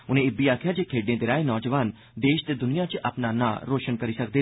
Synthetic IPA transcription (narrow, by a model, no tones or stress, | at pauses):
ʊnẽːɪbiːaːkʰjaːd͡ʒeːkʰeːɖnẽːd̪ɪɾaːeːnɔːd͡ʒəʋaːn | d̪eːʃd̪eːd̪ʊnijãːt͡ʃʔəpnaːnã̰ːɾoːʃənkəɾiːsək̚d̪eː